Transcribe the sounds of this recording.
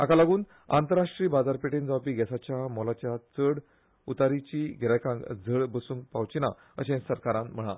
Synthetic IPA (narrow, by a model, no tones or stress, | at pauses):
a̰kalaɡuːn | a̰nt̪əɾaʂʈɾiːbad͡zaɾpeʈend͡zawpiːɡɛsat͡ɕjamɔlat͡ɕjat͡səɽ | ut̪aɾit͡ɕiːɡʱɛɾajkãŋɡd͡zʱəɭbəsũːŋk̚pawt͡ɕina | ə̰ɕẽsəɾkaɾãnm̤əɽ̃a̰